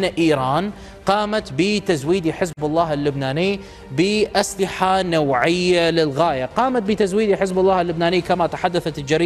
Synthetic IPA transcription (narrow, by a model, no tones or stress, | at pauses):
aʔiːɾˤɑːn | qɑːmat̪bɪt̪azwiːd̪iħɪzbalˤːɑːhɪlːʊbnaːniː | bɪʔaslɪħanawʕɪjːalɪlɣaːjaqɑːmat̪̚bɪt̪azwiːd̪iħɪzbɑlːɑːhɪlːʊbnaːniːkamat̪aħad̪ːaθat̪ɪld͡ʒaɾiː